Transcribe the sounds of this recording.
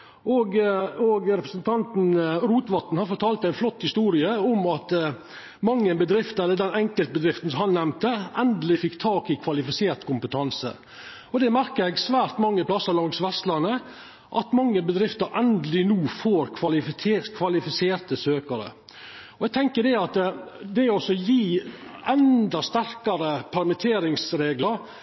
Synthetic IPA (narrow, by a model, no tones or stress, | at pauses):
ɔɡɔɡɾɛpɾəsən̩t̪ʰɑnt̪n̩ɾuːt̪ʋɑt̪n̩hɑɾfɔʈʰɑːlt̪æɪnflɔt̪ːhɪst̪uːɾɪəɔmɑt̪ | mɑŋːənbəd̪ɾɪft̪ɛlːəɖ̪ɛnɛŋkəlt̪̚bəd̪ɾɪft̪n̩shɑnnɛmt̪əɛnd̪lɪfɪkt̪ʰɑːkɪkʰʋɑlɪfɪseːɾt̪kʰʊmpət̪ʰɑnsə̰ | ɔd̪ɛmæɾkəɾɛɡsʋæːɾt̪mɑŋːəpʰlɑsːəlɔŋsʋɛst̪lɑnə | ʔɑt̪mɑŋːəbəd̪ɾɪft̪ɑɾʔɛnd̪lɪnuːfoːɾkʰʋɑlɪkʰʋɑlɪfɪseːɾt̪əsøːkəɾə̰ | ɔɛɡ̚t̪ʰɛŋkəɖɛɑt̪d̪ɛɔsɔjiːɛnd̪ɑst̪æɾkɑɾəpʰæɾmɪt̪ʰeːɾɪŋsɾeːɡlɑɾ